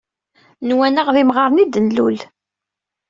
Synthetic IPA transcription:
nwænəʁðimʁɑɾˤnid̪ənlul

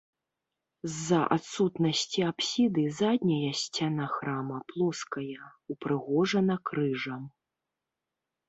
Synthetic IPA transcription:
zːɐʔa̰t̪sut̪nɐsʲt͡sʲiapsʲid̪ɨzad̪̚ʲnʲɐjɐsʲt͡sʲan̪axɾamɐplˠɔskɐjɐupɾɨɣɔʐɐnɐkɾɨʐɐm

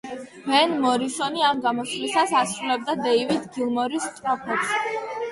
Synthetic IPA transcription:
vɛnmɔɾisɔniamɡamɔslisasasɾulɛb̚d̪ad̪ɛivid̪ɡilˠmɔɾist̪ʼɾɔpʰɛp̪s

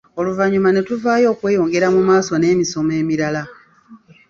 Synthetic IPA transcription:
o̞luvaɲumane̞tuvaːjo̞ːkwe̞ːjo̞ːŋɡe̞ɾamumaːso̞ne̞ːmiso̞me̞ːmiɾala

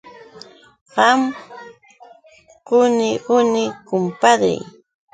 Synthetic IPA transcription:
ɢɑm | ɢʊnɪʔʊnɪkʊmpaɾa̰j

